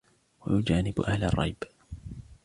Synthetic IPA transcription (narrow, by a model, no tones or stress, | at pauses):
wajʊd͡ʒaːnɪbʔahlɑ̰rˤːɑ̰jb